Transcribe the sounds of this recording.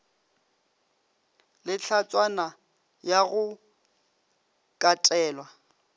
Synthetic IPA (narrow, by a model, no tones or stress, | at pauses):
lɪt͡ɬʰat͡sʼwana | jaɣʊ | kʼatʼɛːlwa